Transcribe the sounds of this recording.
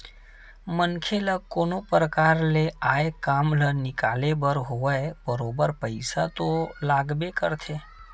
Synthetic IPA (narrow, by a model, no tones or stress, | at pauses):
mənkʰeləkoːnopɾəkaːɾleaːekaːmlənɪkaːlebəɾɦoːəebəɾoːbəɾpəɪsat̪olaːɡbekəɾt̪ʰeː